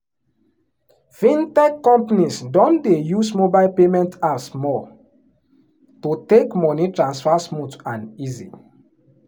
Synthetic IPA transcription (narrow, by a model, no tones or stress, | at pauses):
fĩntɛkːɔ̃mpanisdɔ̃ndejusmobaɪlpemɛ̃ntasmɔ | tutekmɔnitɹãnsfasmutãnizḭ